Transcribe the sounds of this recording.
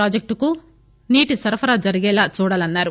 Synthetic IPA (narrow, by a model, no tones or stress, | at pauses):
aːd͡ʒek̚ʈuku | niːʈisɐɾɐpʰɐɾaːd͡ʒɐɾiɡɛːlaːt͡ʃuːɽaːlɐnːaːɾu